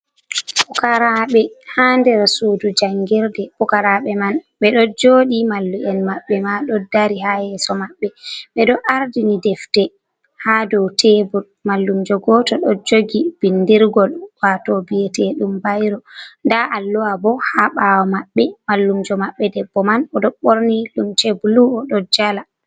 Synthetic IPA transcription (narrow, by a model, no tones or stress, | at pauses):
pukaɾaɓɛhandɛɾsuːdud͡ʒaŋɡɛɾdɛpukaɾaɓɛmanɓɛɗɔd͡ʒoːɗimalːuʔɛnmaɓːɛmaɗɔdaɾiɦahɛsɔmaɓːɛɓɛɗɔʔaɾdinidɛftɛ | haːdɔwtʰɛbul | malːumd͡ʒɔɡɔtɔɗɔd͡ʒoɡib̥indiɾɡɔlwatɔbiɛtɛɗumbajɾɔndaʔalːɔwabɔhaɓawɔmaɓːɛmalːumd͡ʒɔmaɓːɛdɛbːɔmanɔɗɔɓoɾnilumtɛbuluɔɗɔd͡ʒala